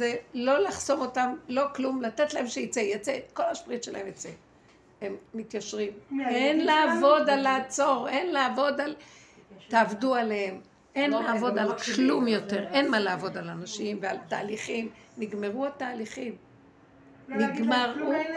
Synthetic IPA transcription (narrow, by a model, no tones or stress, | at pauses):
zelo̞laχso̞mo̞tamlo̞klumlat̪et̪lae̞mʃeit͡sejat͡seko̞laʃpʁit̪ʃela̰hemjat͡se | emːit̪jaʃʁimenlaːvo̞dalat͡so̞ʁenleavo̞d̪al | t̪aːvdualehem | e̞nleavo̞d̪alkklumjo̞t̪e̞ʁe̞nmalaavo̞d̪alanaʃimvealt̪a̰ːliχim | niɡmeʁualtaːliχim | niɡmaʁu